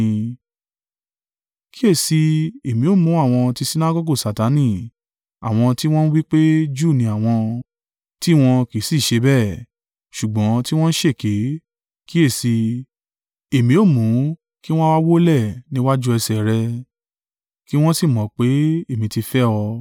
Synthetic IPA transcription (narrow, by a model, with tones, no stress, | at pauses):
ki˦e˦˨si˧e˨mĩ˨o˦˨mũ˨˦a˦˨w̃ɔ̃˧ti˧si˦na˦ɡo˦ɡo˦˨sa˨ta˨˦nĩ˦˨ | a̰˨w̃ɔ̃˧ti˦w̃ɔ̃˦n̩˦wi˦k͡pe˦d͡ʒu˦˨nĩ˧˦a˦˨w̃ɔ̃˧ | ti˦˨w̃ɔ̃˧ki˨˦si˦˨ʃe˧bɛ˦˨ | ʃu˨ɡ͡bɔ̃˨˦ti˦w̃ɔ̃˦n̩˦ʃe˦˨ke˨˦ | ki˦e˦˨si˧ | e˨mĩ˨˦o˦˨mũ˨˦ | ki˦w̃ɔ̃˦wa˦wo˦lɛ˦˨nĩ˦wa˦d͡ʒu˦ɛ˧sɛ˨ɾɛ˧ | ki˦w̃ɔ̃˦si˦˨mɔ̃˨˦k͡pe˨˦e˦˨mĩ˨˦ti˧fɛ˦ɔ˧